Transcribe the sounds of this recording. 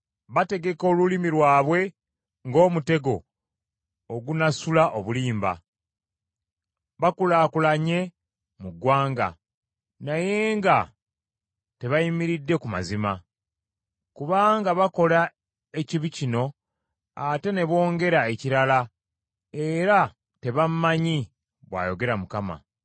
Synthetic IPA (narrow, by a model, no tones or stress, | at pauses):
βate̞ɡe̞ko̞ːlulimiɾwaːβwe̞ | ŋɡo̞ːmute̞ɡo̞ | oɡunasulaʔoβuliːmba̰ | βakulaːkulaɲe̞ | muɡwaːŋɡa̰ | naje̞ːŋɡa | te̞βajimiɾidːe̞kuma̰zima | kuβaːŋɡaβako̞la | e̞ciβicino̞ | ate̞ne̞βo̞ːŋɡe̞ɾaeciɾala | e̞ɾa | te̞βammaɲi | βwa̰ːjo̞ɡe̞ɾamukama̰